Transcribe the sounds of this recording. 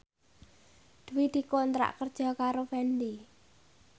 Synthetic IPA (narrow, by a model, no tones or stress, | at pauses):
d̪̥uwid̪̥i̤kont̪ɾa̰ʔkərd̥ʒ̥ɔ̤kaɾofɛndi